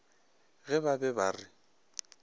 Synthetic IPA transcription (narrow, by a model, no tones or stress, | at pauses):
ɣɛbabɛbaːrɪ